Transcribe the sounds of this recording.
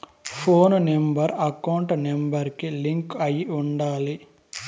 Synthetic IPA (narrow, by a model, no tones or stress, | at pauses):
pʰoːnnembɐɾɐkɐwuɳʈnembɐɾkiliŋkɐjiuɳɖaːli